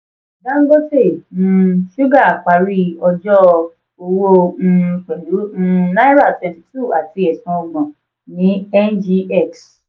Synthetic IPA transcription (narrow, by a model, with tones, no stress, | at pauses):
dã˦ŋ̩˦ɡo˦tẽ˦˨˦ | ʃu˦ɡa˦˨k͡pa˨ɾi˦ɔ˧d͡ʒɔ˦ | o˧wõ˦˧k͡pɛ˨lu˨˦˧na˦i˦ɾa˦˨tɛ˨˧ti˨tu˦˨a˨ti˧˦ɛ˨sɔ̃˨˧ɔ˧ɡ͡bɔ̃˨ | nĩ˨˦ɛ˦nd͡ʒi˧ɛ˦˨ks